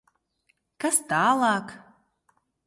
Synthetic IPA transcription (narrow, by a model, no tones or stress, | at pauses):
kast̪aːlˠaːk